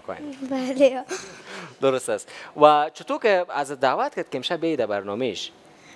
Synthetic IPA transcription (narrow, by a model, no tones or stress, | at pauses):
kbale | d̪ʊɾʊst̪aswat͡ʃʊt̪okəazət̪̚d̪aːwat̪kat̪̚kəɪmʃabed̪abaɾnɔmeʃ